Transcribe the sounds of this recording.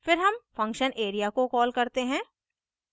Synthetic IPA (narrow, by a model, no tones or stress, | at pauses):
fɪɾɦɐmfɐ̃ŋkʃənʔeːɾijakokɔːlkɐɾt̪eɦɛ̃ː